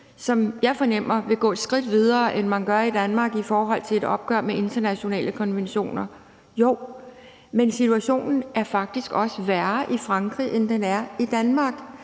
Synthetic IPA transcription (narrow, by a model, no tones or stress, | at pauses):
sɒ̽mjɑ̈ɪfɒ̽nem̰ɐʋe̝ɡ̥ɔ̰̽ːe̝d̥sɡ̥ʁid̥ʋið̞ˠɐːʔenmænɡ̥ɶɐid̥ænmɑ̈ːɡ̥ifɒːɦɒ̽l̰t͡sʰe̝le̝d̥ɒ̽b̥̚ɡ̥ɶɐ̰meʔe̝nd̥ɐnæɕo̝nɛ̰ːləkʰɒ̽nʋenɕo̝̰ːnɐ | jo̝̰ʊ | mensit͡sʰuæɕo̝̰ːnn̩æɐfɑ̈ɡ̥̚d̥isɡ̥ɒ̽səʋæɐʔifʁɑ̈ŋɡ̥ʁiʔend̥enæɐid̥ænmɑ̈ːɡ̥